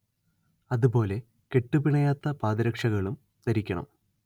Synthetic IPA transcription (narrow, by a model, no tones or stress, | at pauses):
ɐðupo̞ːle̞ | ke̞ʈːupiɳɐjaːt̪ːɐpaːðiɾɐkʂɐɣɐɭum | t̪ɐɾikʲːɐɳɐ̰m